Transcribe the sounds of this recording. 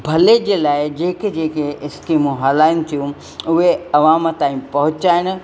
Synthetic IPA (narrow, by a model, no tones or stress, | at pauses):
bʱɐled͡ʑeːlaːɪd͡ʑeːkɪd͡ʑeːkeɪskiːmũɦɐlaːɪnɪ̆t̪ʰijũ | ʊɦeɐʋãːmt̪ãːĩpɐɦʊt͡ɕaːɪɽ̃̆